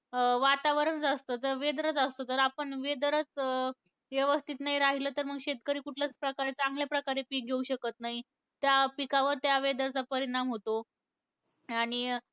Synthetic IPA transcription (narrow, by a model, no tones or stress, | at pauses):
ʋat̪aʋəɾəɳd͡zast̪ət̪əɾʋed̪əɾət͡səst̪ot̪əɾapəɳʋed̪əɾət͡s | ʋjeʋəst̪ʰit̪naɦiɾaɦiləːt̪əɾm̤əɡɕet̪̚kəɾiːkuʈʰljat͡spɾəkaɾet͡sãŋɡljapɾəkaɾepiːk̚ɡʱeuɕəkət̪naɦi | t̪japikaʋəɾt̪jaʋed̪əɾt͡sapəɾiɽ̃amɦot̪o | aɽ̃i